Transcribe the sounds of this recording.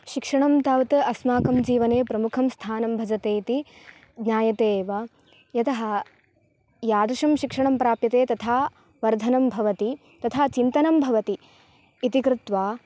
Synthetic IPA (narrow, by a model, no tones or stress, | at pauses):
ʃikʂɐɳɐmt̪aːʋt̪ɐɐsmaːkɐmd͡ʒiːʋɐneːpɾɐmukʰɐmst̪ʰaːnɐmbʱɐd͡ʒɐt̪eːit̪i | ɡɲaːjɐt̪eːʋɐ | jɐt̪ɐɦɐ̆ | jaːd̪uʂɐmʃikʂɐɳɐmpɾaːpjɐt̪eːt̪ɐt̪ʰaː | ʋɐɾd̪ʱɐnɐmbʱɐʋɐt̪i | t̪ɐt̪ʰaːt͡ʃint̪ɐnɐmbʱɐʋɐt̪iː | t̪ikɾut̪ʋaː